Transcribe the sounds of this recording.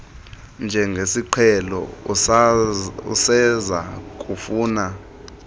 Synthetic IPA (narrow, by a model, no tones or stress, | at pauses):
nd͡ʒʱɛŋɡʱesiǃʰɛlɔ̰ | ṵsɛzak̬ʼufuːna